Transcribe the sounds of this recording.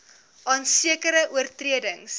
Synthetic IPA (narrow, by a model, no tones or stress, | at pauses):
ʔɑːnsiəkəɾəʔuərtriədəŋs